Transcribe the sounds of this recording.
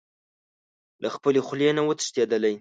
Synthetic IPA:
lʔaxpəlexlenawət̪ə̥ʃt̪ed̪əlaj

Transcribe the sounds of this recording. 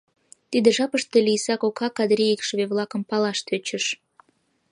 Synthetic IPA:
t̪id̪eʒɑpəʃt̪elisɑkokʰɑkɑd̪ɾʲiikʃəβeβlˠɑkə̆mpɑlɑʃt̪øt͡ɕə̆ʃ

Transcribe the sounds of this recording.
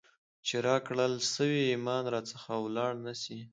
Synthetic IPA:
t͡ʃeɾɑkɽəlsəwiːmɑnɾɑt͡səxawlɑɽnasi

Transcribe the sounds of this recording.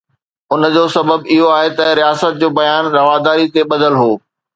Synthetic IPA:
ʊnd͡ʑoːsɐbəbɪɦoaːɦet̪ɐɾijaːsət̪̚d͡ʑoːbɐjaːnɾɐʋaːd̪aːɾit̪eɓɐd̪əlɦoː

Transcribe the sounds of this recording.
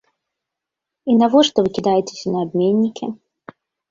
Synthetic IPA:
inɐvoʂt̪ovɨkʲɪd̪ajɪtʲɪ̥sʲnɐɐbʲmʲenʲːɪkʲʰɪ

